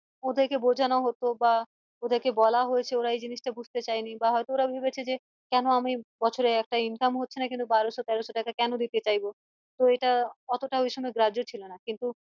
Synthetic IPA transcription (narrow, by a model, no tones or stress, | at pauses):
od̪ʱeɾkebod͡ʑʱanoɦot̪oba | od̪ʱeɾkebɔlaɦojet͡ɕʰeoɾaejd͡ʑiniʃʈabud͡ʑʱt̪et͡ɕajnibaɦɔet̪ooɾabʱibet͡ɕʰed͡ʑe | kɛnoamibɔt͡ɕʰoɾeɛk̚ʈainkamɦotːɕʰenakint̪ubaɾoʃot̪ɛɾoʃoʈakakɛnod̪it̪et͡ɕajbo | t̪oeʈaɔt̪oʈaɦojʃɔmɔeɡɾad͡ʑot͡ɕʰilonakint̪u